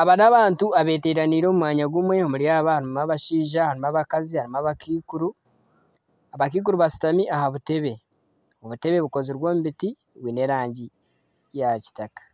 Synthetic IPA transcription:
aβanaβaːntuaβe̞ːteːɾaniːɾo̞mumwaːɲaɡumwe̞omuɾijaːβahaɾimaβaʃiːʒahaɾimaβakazihaɾimaβakiːkuɾu | aβak̬iːk̬uɾuβasi̥tamiʔaɦaβute̞βe̞ | o̞βute̞βe̞βuko̞ziɾwo̞ːmuβiti | βwiːne̞ɾaːɲɟi | jaci̥takḁ

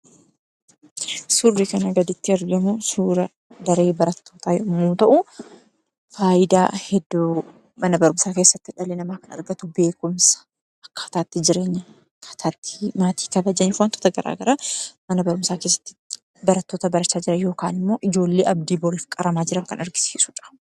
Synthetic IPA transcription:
sʊrːikɐnɐɡɐd̪ɪt̪ːɪɐɾɡɐmusuːɾɐ | d̪ɐɾeːbɐɾɐt̪ʰːoːt̪aːjmuːt̪ɐʔʊ | faːʔɪd̪a̰ːhɛd̪ːu | mɐnɐbɐɾʊmsaːkeːsːɐt̪ːɪᶑɐlenɐmaːkɐnɐ̰ɾɡɐt̪ʊbe̞ːkʊmsɐ̥ | ɐkːɐ̥ɐt̪aːt̪ːɪd͡ʒɪɾe̞ːɲːɐ | kʰɐ̥t̪ʰaːt̪ːɪ̥maːt̪i̥ːkɐbɐd͡ʒɐɲːɛfwaːnt̪ɔ̥t̪ɐɡɐɾʔa̰ːɡɐɾɐmɐnɐbɐɾʊmsaːke̞ːsːɐ̥t̪ːɪ̥ | bɐɾɐt̪ːo̞ːt̪ɐbɐɾɐt͡ʃːaːd͡ʒɪɾɐjo̞ːkaːnɪmːo̞ːʔɪd͡ʒo̞ːlːeːʔɐbd̪iːbɔɾiːfkʼɐɾɐmaːd͡ʒɪɾɐŋkɐ̰nɐɾɡɪ̥siːsʊ̥ᶑɐ̥

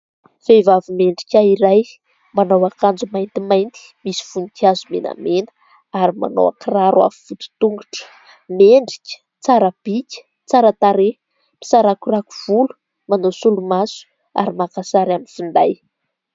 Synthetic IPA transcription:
v̥evavimeɳɖ͡ʐikʲaiɾaj | manawakand͡zumajnt̪imajnt̪i̥misi̥funik̪iazumena̰menə̥ | aɾima̰no̰wa̰kiraɾwa̰viv̥ut̪u̥t̪uŋɡuʈ͡ʂə̥ | meɳɖ͡ʐi̥kʲə̥ | t͡saɾəb̥ikʲə̥ | t͡saɾət̪aɾe | pi̥saɾakuraku̥v̥ulu̥ | manosulumasu̥ | a̰ɾimakasaɾaminfund̪aj

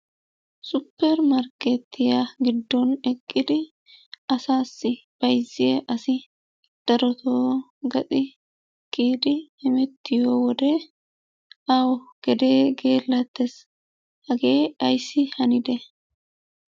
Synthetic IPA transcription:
sʊpːɛɾmɐɾket̪ʰːɪjaɡɪd̪ːɔnɛkʼːɪd̪ɪ | ɐsaːsːɪb̥ɐjzɪjeʔɐsɪ | d̪̥ɐɾɔt̪ʰoː | ɡɐt͡sʼɪ | kiːd̪ɪɛmɛt̪ːɪjoːwɔd̪eː | awɔɡ̥ɛd̪eːɡeːlːɐt̪ːɛs | hɐɡeːɐjsːɪhɐnɪd̪ɛ

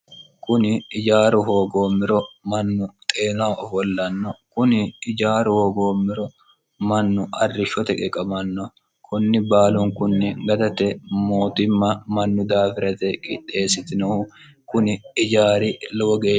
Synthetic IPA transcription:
kʊnɪɪd͡ʒaːɾʊɦoːɡo̞ːmːɪɾɔmɐnːʊt̪ʼeːnaːɔfɔlːɐnːɔkʊnɪɪd͡ʒaːɾʊhoːɡoːmːɪɾɔ | mɐnːʊʔɐrːɪʃɔt̪ɛkʼɛkʼɐmɐnːɔ | kʰʊnːɪbaːlʊŋkʊnːɪɡɐd̪ɐt̪ɛmoːt̪ɪmːɐmɐnːʊd̪aːfɪɾɐt̪ɛkʼɪᶑe̞ːsɪt̪ɪnɐ | kʊnɪɪd͡ʒaːɾɪlɔɡɔɡeː

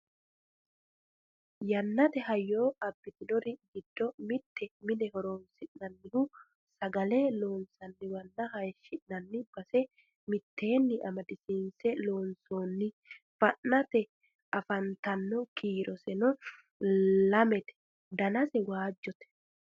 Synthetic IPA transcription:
jɐnːɐt̪ɛhɐjːo̞ːɐbːɪt̪ɪd̪ɔɾɪɡɪd̪ːɔmɪt̪ʰːɛmɪnɛhɔɾoːnsɪʔnɐnːɪnʊ | sɐɡɐlɛlo̞ːnsɐnːɪwɐnːɐɦɐjʃːɪʔnɐnːɪb̥ɐsɛ | mɪt̪ːe̞ːnːɪʔɐmɐd̪ɪsiːnsɛlo̞ːnso̞ːnːɪ | fɐʔnɐt̪ɛ | ɐfɐnt̪ɐnːɔkʰiːɾʔɔsɛnɔ | lɐmɛt̪ɛ̥ | d̪ɐnɐsɛwaːd͡ʒːɔt̪ɛ̥

